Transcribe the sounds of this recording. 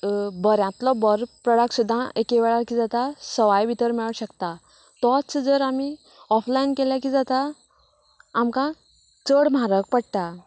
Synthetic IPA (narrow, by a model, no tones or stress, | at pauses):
bəɾjãt̪lɔbəɾpɾəɽaksud̪ʱːãʔekeʋɛɭaɾkid͡zat̪asəʋajʋit̪əɾmiɭɕəkt̪a | t̪ɔt͡sd͡zəɾami | ɔflainkeljakid͡zat̪a | mkã | t͡səɽm̤aɾək̚pəɽʈ̪a